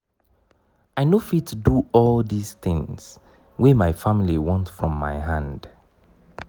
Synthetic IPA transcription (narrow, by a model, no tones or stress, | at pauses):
aɪnofitʰduɔlˠðisθɪ̃ŋz̥ | wɛmaɪfamiliwɔ̃ntfɹɔ̃mːa̰ɪɦãnd̥